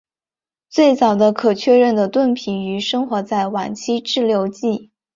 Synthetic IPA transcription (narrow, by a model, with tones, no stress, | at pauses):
t͡swe˥˩ɪt͡sɑ˨˩ʊd̪ə˦kʰɤ˨˩t͡ɕʰɥɛ˥˧ɻə˥˩nd̪ə˩t̪wə˥˩npʰi˨˩˦ny˧˥ʂɤ˥ŋxwɔ˧˥t͡sa˥˩ɪwa˨˩nt͡ɕʰi˥ʈ͡ʂɻ̩˥˩ljo˧˥ʊt͡ɕi˥˩